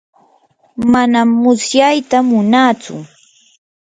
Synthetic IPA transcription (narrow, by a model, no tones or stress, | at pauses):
manamːʊsjajt̪amʊnaːt͡sʊ̰